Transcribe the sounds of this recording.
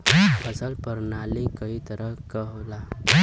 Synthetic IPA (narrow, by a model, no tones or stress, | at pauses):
əsəlpəɾnalikəɦit̪əɾəkəɦla